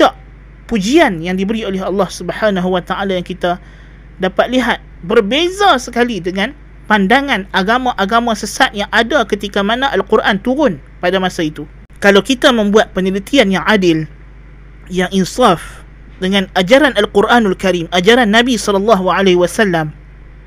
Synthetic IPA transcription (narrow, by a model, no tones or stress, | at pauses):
t͡ʃaʔ | pud͡ʒianjaŋdibəɾiolɛɦɑlːɑhsubəħanaɦuwat̪aʔalajaŋkit̪a | dapat̪̚liɦat̪̚bərbezasəkalidəŋãn | pandaŋãnaɡamãʔaɡamãsəsat̪̚jaŋʔadakət̪ikamanãʔalkurʔant̪uɾʊn | padamãsait̪u | kalawkit̪amə̃mbuat̪̚pənəlit̪ianjaŋʔadɪl | jaŋinsaf | dəŋãnad͡ʒaɾanalquɾʔanalkaɾimʔad͡ʒaɾanːãbisɔlɔlːɑɦuʕalehwasalːam